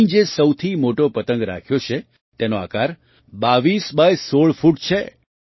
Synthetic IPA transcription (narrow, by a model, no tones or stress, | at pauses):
d͡ʒesəwt̪ʰimoʈopət̪ə̃ŋɡɾa̰kʰjot͡ʃʰe | t̪enoa̰kaɾ | baʋisbajsoɭfʰuʈ̚t͡ʃʰe